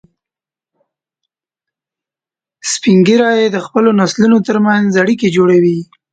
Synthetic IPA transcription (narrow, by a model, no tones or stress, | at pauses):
spiŋɡiɾɑjed̪əxpəlonaslunot̪əɾmanzaɽiked͡ʒoɽawi